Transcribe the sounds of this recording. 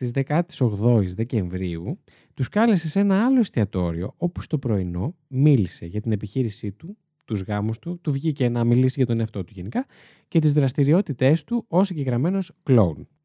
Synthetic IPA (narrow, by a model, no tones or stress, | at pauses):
t̪izðe̞kɐt̪i̥so̞ɣðo̞izðe̞ce̞ɱvɾiu | t̪uskɐlese̞se̞nɐɐlo̞ist̪iɐt̪o̞ɾio̞̰o̞pu̥st̪opɾo̞ino̞milise̞ʝɐt̪ine̞piçiɾisit̪u | t̪uzɣɐmust̪ut̪uvʝicenɐmilisiʝɐt̪o̞ne̞ɐft̪ot̪uʝe̞nikɐ | ce̞t̪izðɾɐst̪iɾio̞t̪it̪e̞st̪uo̞siɲɟeɣɾɐme̞no̞sklo̞un